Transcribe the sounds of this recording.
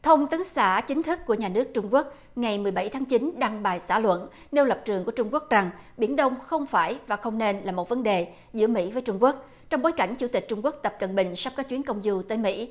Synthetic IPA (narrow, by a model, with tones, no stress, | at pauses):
t̪ʰə˧wŋ͡mt̪ɨ˨˦ŋsa̰ː˧˥t͡ɕï˨˦ŋ̟t̪ʰɨ˦˥k̚kːu˧˩əɲaː˨˩nɨ˦˥ək̚t͡ɕʊ˧ŋ͡mku˦˥ək̚ | ŋa˨˩jmɨ˨˩əjɓa˧˩jt̪ʰaː˨˦ŋt͡ɕi˨˦nɗaː˧ŋɓaː˨˩jsaː˧˩lwə̰˧˨n | ne˧wlə˨˩p̚t͡ɕɨ˨˩əŋku˧˩ət͡ɕʊ˧ŋ͡mku˦˥ək̚za˨˩ŋ | ɓi˧˩ənɗə˧wŋ͡mxə˧wŋ͡mfaː˧˩jvaː˨˩xə˧wŋ͡mne˧nlaː˨˩mo˨˩t̚və˨˦nɗe˨˩ | zɨ̰˧˥əmḭ˧˥vəː˨˦jt͡ɕʊ˧ŋ͡mku˦˥ək̚ | t͡ɕɔ˧wŋ͡mɓoː˨˦jka˧˩jŋ̟t͡ɕu˧˩t̪i˨˩k̟̚t͡ɕʊ˧ŋ͡mku˦˥ək̚t̪ə˨˩p̚kə˨˩nɓï˨˩ŋ̟sa˦˥wk͡pkaː˦˥k̚t͡ɕwi˨˦nkə˧wŋ͡mzu˧t̪əː˨˦jmḭ˧˥